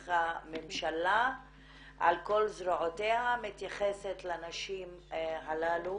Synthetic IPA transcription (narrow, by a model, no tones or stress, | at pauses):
amemʃala | ʔa̰lko̞lzɾoʕotehamit̪jaχeset̪lanaʃimɦalalu